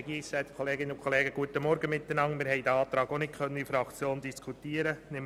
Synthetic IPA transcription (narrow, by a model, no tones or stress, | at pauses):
ɡiːsɛt̪kʰoleːɡɪnəʊnkʰoleːɡəɡ̥uətəmɔɾɡəmɪt̪ːənɑŋmɪːɾɦɛɪdəɑːt̪ɾɑːɡonɪt̚kʰœnːənifɾɑkt͡sjoːnd̪iskʰut̪iəɾənɪm